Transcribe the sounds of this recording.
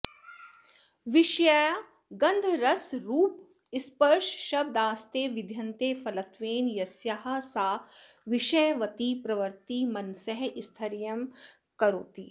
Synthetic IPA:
ʋɪʃja | ɡɐ̃nd̪ʱɾɐsɾuːp̚ | ɪspəɾʃʃɐb̚d̪aːst̪eːʋɪd̪ʱjɐnt̪eːfɐlɐt̪ʋeːnjɐsjaɦasaːʋɪʃɐjʋɐt̪ipɾɐʋəɾt̪imɐnsəɦɪst̪ʰɐɾjɐm | kɐɾo̰ːt̪iː

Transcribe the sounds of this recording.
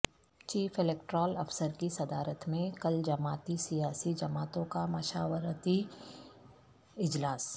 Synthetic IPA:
t͡ʃiːfɪleːk̚ʈɾɔːlɐfsəɾkisɐd̪aːɾət̪mẽkɐld͡ʒɐmaːt̪isijaːsid͡ʒɐmaːt̪õkamɐʃaːwəɾt̪i | ɪd͡ʒlaːs

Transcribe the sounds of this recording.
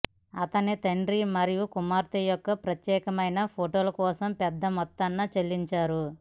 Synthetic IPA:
ɐt̪ɐnit̪ɐɳɖɾimɐɾijukumaːɾt̪ijɔkːɐpɾɐt̪jɛːkɐmɐjnɐpʰoːʈoːlɐkɔːsɐmpɛd̪ːɐmɔt̪ːɐnːɐt͡ʃelːiɲt͡ʃaːɾu

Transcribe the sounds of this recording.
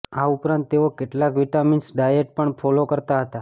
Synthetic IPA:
aupɾãnt̪ːeokeʈlakʋiʈaminsɖajeʈ̚pəɳfʰɔlokəɾt̪aɦət̪a

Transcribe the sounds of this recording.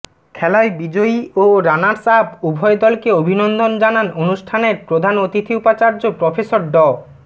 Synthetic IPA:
kʰɛlaebid͡ʑoiʔoɾanaɾsabubʱɔed̪ɔlkeobʱinond̪ʱond͡ʑananonuʃʈʰaneɾpɾod̪ʱanot̪it̪ʰiupat͡ɕaɾd͡ʑopɾɔfesoɾɖɔ

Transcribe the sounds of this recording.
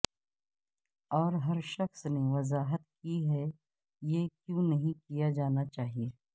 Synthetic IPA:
ɔːɾɦɐɾʃɐxsneʋɐzaːɦət̪̚kiɦɛ | jeːkjõːnɐɦĩkijad͡ʒaːnat͡ʃaːɦieː

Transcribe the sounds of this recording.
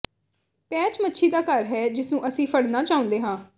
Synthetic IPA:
pɛːt͡ʃmətːʃʰiːd̪aːkəɾɦɛːd͡ʒɪsnũːʔəsĩːpʰəɽnaːt͡ʃaːʊ̃nd̪eːɦãː

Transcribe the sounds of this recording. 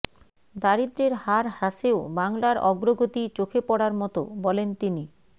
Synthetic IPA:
d̪aɾid̪ɾeɾhaɾɦaʃeobaŋlaɾɔɡɾoɡot̪it͡ɕokʰepɔɽaɾmɔt̪o̰bɔlent̪ini

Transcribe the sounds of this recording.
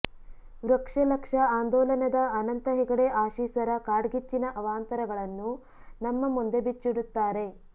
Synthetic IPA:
ʋɾɐkʂɐlɐkʂɐaːnd̪ɔːlɐnɐd̪ɐɐnɐnt̪ɐɦɛɡɐɽe̞ʔaːʃiːsɐɾɐkaːɽɡit͡ʃːinɐʔɐʋaːnt̪ɐɾɐɡɐɭɐnːu | nɐmːɐmund̪e̞bit͡ʃːiɽut̪ːaːɾe̞

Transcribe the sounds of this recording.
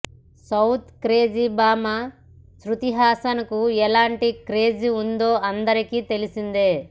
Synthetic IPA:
sɐwt̪kɾe̞ːd͡ʒibaːma | sɾut̪iɦaːsɐnɐkuɛlaːɳʈikɾe̞ːd͡ʒiund̪o̞ːʔɐnd̪ɐɾikiːt̪e̞lisind̪eː

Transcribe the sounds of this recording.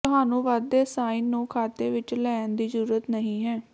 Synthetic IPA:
t̪ʊɦaːnũːʋaːd̪ːeːsaːiːnːũːkʰaːt̪eːʋɪt͡ʃlɛːnd̪iːzəɾuːɾət̪nəɦĩːɦɛː

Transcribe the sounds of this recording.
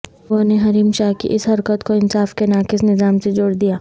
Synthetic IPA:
oːneɦɐɾiːmʃaːɦkḭʔɪsɦɐɾkət̪koɪnsaːfkenaːkɪsnɪzaːmsed͡ʒoːɽd̪ijaː

